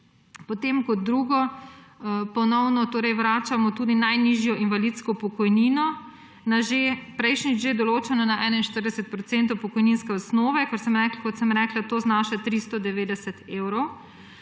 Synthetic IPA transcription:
pɔt̪emkɔd̪̚d̪ːɾuːɡɔ | pɔnɔwnɔt̪oːɾɛjwɾaːt͡ʃamɔt̪uːd̪inajniʒjɔʔinʋalit̪skɔpɔkɔjniːnɔ | naʒepɾɛjʃnid͡ʒʒed̪ɔloːt͡ʃanɔnaʔɛːnainʃt̪əɾd̪ɛsɛt̪̚pɾɔt̪sɛːnt̪ɔwpɔkɔjninskɛɔsnoːʋɛkɔtsəmɾɛklakɔt̪səmɾɛːklat̪oːznaːʃat̪ɾist̪ɔd̪ɛʋeːd̪ɛsɛt̪eːwɾɔw

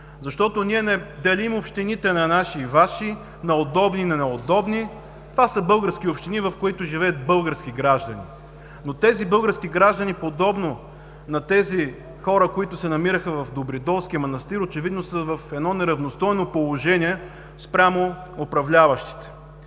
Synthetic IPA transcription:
zɐʃt̪ɔt̪oniɛnɛd̪ɛlimopʃt̪init̪ɛnɐnaʃivaʃi | nɐod̪ɔbninɐnɛod̪ɔbni | t̪ovasəbɤlˠɡəɾsk̟iopʃt̪inivɐfkoit̪ʊʒivɛət̪̚bɤlˠɡəɾsk̟iɡɾaʒd̪ɐnḭ | not̪ɛzibɤlˠɡəɾskiɡɾaʒd̪ənipod̪ɔbno | nɐt̪ɛzi | xɔɾəkoit̪ʊsɛnɐmiɾəxəvɐfd̪obɾid̪ɔlˠskʲiəmonɐst̪iɾot͡ʃɛvid̪nosəvɐfɛd̪nɔnɛɾɐvnost̪ɔjnopolˠoʒɛnʲiɛ | spɾʲamo | opɾɐvlʲavɐʃt̪i̥t̪ɛ̥

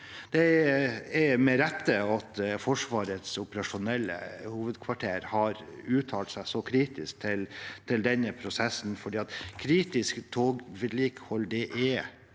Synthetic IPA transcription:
d̪̥ɛ | ɛmɛɾɛt̪ːəɑt̪fɔʂʋɑːɾət̪sʊpəɾɑʂʊnɛlːə̰huːʋəd̪kʰʋɑʈʰeːɾhɑɾʉːt̪ʰɑːlt̪sæɪsɔkʰɾiːt̪ɪsk̚t̪ʰɪlt̪ʰɪld̪ɛnːəpʰɾʊsɛsːn̩fɔɖiːɑt̪kʰɾiːt̪ɪskt̪ʰoːɡʋɪd̪liːkhɔld̪ɛʔɛ

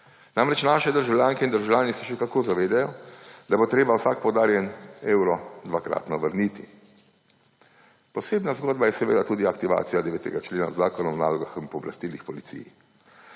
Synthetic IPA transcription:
naːmɾɛt͡ʃnaːʃɛd̪əɾʒawljaːŋkɛind̪əɾʒawlʲjaːnisɛʃɛkakoːzaʋeːd̪ajɔd̪abot̪ɾeːbawsak̚pɔd̪aːɾjɛneːwɾɔd̪ʋakɾa̰ːt̪nɔʋəɾnit̪ḭ | pɔseːbnazɡoːd̪bajɛsɛʋḛːd̪at̪uːd̪iakt̪iʋa̰ːt̪sijad̪ɛʋeːt̪ɛ̰ɡat͡ʃleːna̰zːaːkɔnɔmna̰ːlɔɡaxmpɔɔbla̰st̪iːlixpɔlit̪sḭjḭ

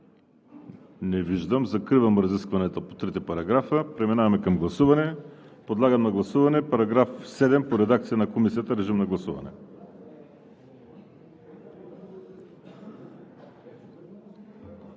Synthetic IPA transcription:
nɛviʒd̪əmzɐkɾivɐmɾɐziskvɐnɛt̪opot̪ɾit̪ɛpɐɾɐɡɾafəpɾɛminavɐmɛkɐmɡlˠɐsuvɐnɛpod̪lˠaɡɐmnɐɡlˠɐsuvɐnɛpɐɾɐɡɾafsɛd̪ɛmpoɾɛd̪ak̚t̪sijɐnɐkomisijət̪əɾɛʒimnɐɡlˠɐsuvɐ̰nɛ̰

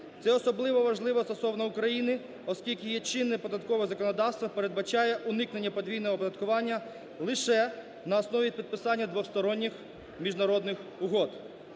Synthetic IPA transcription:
t̪sɛɔsɔblˠɪʋɔʋɐʒlˠɪʋɔst̪ɔsɔwnɐʊkɾɐjinɪ | ɔskʲilʲkʲɪjɛt͡ʃɪnːɪpɔd̪ɐt̪kɔʋɪɣzɐkɔnɔd̪ɑwst̪ʋpeɾe̞d̪̚bɐt͡ʃɑjɛʔʊnɪkne̞nʲːɐpɔd̪ʲʋʲijnɔɦɔpɔd̪ɐt̪kʊʋɑnʲːɐ | lˠɪʃɛ | nɐɔsnɔʋʲipʲid̪̚pɪsɑnʲːɐd̪ʋɔxst̪ɔɾɔnʲːɪx | mʲiʒnɐɾɔd̪nɪxʊɦɔd̪

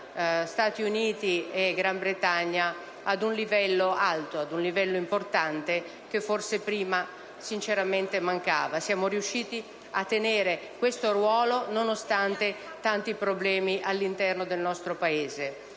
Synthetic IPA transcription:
st̪aːt̪iuniːt̪ieɡɾambɾet̪aɲːa | ad̪unlivɛlːoalt̪oad̪unlivɛlːoimport̪ant̪e | k̟efːorsepɾiːma | sint͡ʃeɾament̪emaŋkaːvasjaːmoɾiuʃːiːt̪i | at̪ːeneːɾe | kwest̪orwɔːlononost̪ant̪e | t̪ant̪ipɾoblɛːmiʔalːint̪ɛrnod̪elnɔst̪ɾopaeːze

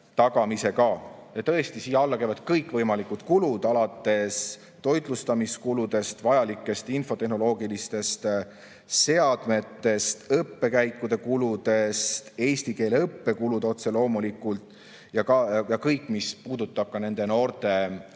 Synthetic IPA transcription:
t̪ɑɡɑmise̞kɑjɑt̪ɤ̞est̪isiːjɑɑlːɑkejvɑd̪̥kɤjkːˑvɤjmɑlikud̪kulud̪̥ɑlɑt̪ːˑe̞s | t̪o̞jd̪lust̪ɑmiskulud̪̥e̞st̪vɑjɑlikːˑe̞st̪info̞t̪e̞hno̞lo̞ːɡilist̪e̞st̪ | se̞ɑd̪̥me̞t̪ːˑe̞st̪ɤpːe̞kæjkːˑud̪e̞kulud̪̥e̞st̪e̞ːst̪ike̞ːleɤpːe̞kulud̪o̞t̪se̞lo̞ːmulikːˑult̪ˑ | jɑkɑjɑkɤjkːˑmispuːd̪̥ut̪ˑːɑb̥̚kɑne̞nd̪e̞no̞ːrt̪e̞

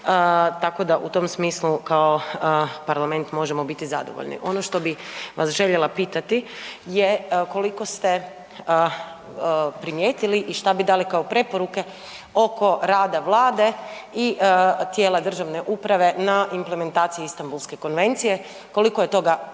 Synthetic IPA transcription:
t̪ako̞d̪aʔut̪o̞msmiːslukao̞paɾlame̞nt̪mo̞ʒemo̞bit̪izad̪o̰ʋo̰ʎnḭʔo̞noʃt̪o̞biʋʔasʒe̞ʎelapiːt̪at̪ijeko̞liko̞st̪e̞ | pɾimjeːt̪iliʔiʃt̪abid̪aːlikaopɾe̞poɾuke̞ | o̞ko̞ɾaːd̪aʋlˠaːd̪e̞ | it̪jeːlad̪r̩ʒaʋne̞ʔupɾaʋe̞naʔimpleme̞nt̪aːt̪sijiist̪ambulˠske̞ko̞nʋe̞nt̪sije | ko̞likojet̪o̞ɡa

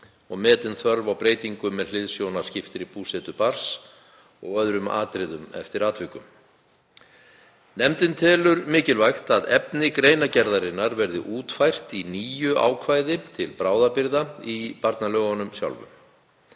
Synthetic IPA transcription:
ɔɣmɛːt̪ɪnθvœɾvawpɾeːjt̪iŋkʏmɛðl̥ɪðsjownascɪft̪ɪɾipuːsɛt̪ʏpaɾ̥s | ɔɣœðɾʏma̰ːt̪ɾɪðʏmɛ̰ft̪ɪɾaːt̪ʰvɪkʏm | nɛmt̪ɪnt̪ʰɛːlʏɾmɪːcɪlvajxt̪aðɛpnɪkɾeːjnacɛɾðaɾɪnːaɾvɛɾðɪ̰ʔuːt̪fajr̥t̪iniːjʏʔa̰ːwkʰvaːjðɪt̪ʰɪlpɾaːwðapɪɾðaipaɾt̪nalœːɣanʏmsja̰wlvʏ̰m

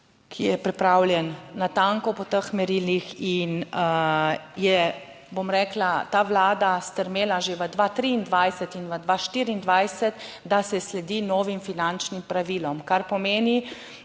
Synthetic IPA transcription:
kʰijɛpɾipɾawlʲjɛnːat̪aŋkɔpɔt̪əxmɛɾiːlixin | jɛ | bomɾɛːklat̪aːʋlaːd̪ast̪əɾmeːlaʒeʋəd̪ʋat̪ɾiːnd̪ʋajsɛt̪inʋəd̪ʋaʃt̪iːɾiːnd̪ʋajsɛt̪d̪asɛslɛd̪inɔːʋimfinant͡ʃnimpɾaʋiːlɔmkaɾpɔmeːni

